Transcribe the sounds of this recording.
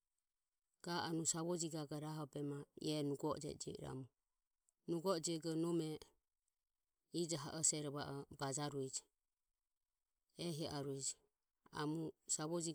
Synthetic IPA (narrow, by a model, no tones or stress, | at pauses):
ɡ̥aanusaβɔd͡ʒiɡaɡaɾaɦɔbɛmaḭɛnuɡɔ̰d͡ʒɛ̰d͡ʒḭɾa̰mɔ | nuɡɔd͡ʒɛɡɔnɔmɛ | id͡ʒaɦaʔɔsɛɾɔβaʔɔbad͡ʒaɾuɛd͡ʒi | ɛɦiʔaɾuɛd͡ʒi | a̰musaβɔd͡ʒi